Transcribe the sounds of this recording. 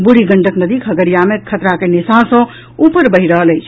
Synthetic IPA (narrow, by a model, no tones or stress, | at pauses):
buɽiɡəɳʈəknəd̪ikʰəɡəɾijamekʰət̪ɾakenisasə̃ | upəɾbəɦiɾəɦələjt͡ʃʰ